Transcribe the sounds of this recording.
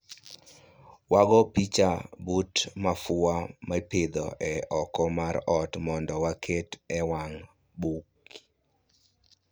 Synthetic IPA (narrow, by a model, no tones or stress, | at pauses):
waɡɔpit͡ʃabutmafʊamaped̪ɔ̰ʔɛɔkɔmaɾɔtmɔndɔwakʰetɛwaŋ | buk